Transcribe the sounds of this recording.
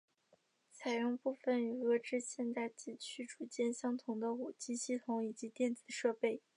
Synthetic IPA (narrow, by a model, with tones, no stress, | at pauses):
t͡sʰa˨˩ɪjʊ˥˧ŋpu˥˩fə˨˩ny˨˩ɤ˥ʈ͡ʂɻ̩˥ɕjɛ˥˧nt̪a˥˩ɪt͡ɕi˥˩t͡ɕʰy˥ʈ͡ʂu˨˩t͡ɕjɛ˥˩nɕjɑ˥ŋt̪ʰʊ˧˥ŋd̪ə˧u˨˩t͡ɕi˥˧ɕi˥˩t̪ʰʊ˧˥ŋi˨˩t͡ɕi˧˥t̪jɛ˥˩nt͡sɹ̩˨˩ʂɤ˥˧pe˥˩ɪ